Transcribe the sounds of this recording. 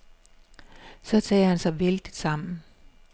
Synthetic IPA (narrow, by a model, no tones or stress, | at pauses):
sɒ̽t͡sʰɛ̰ːhænsɑ̈ɪʋeld̥id̥sɑ̈m̰n̩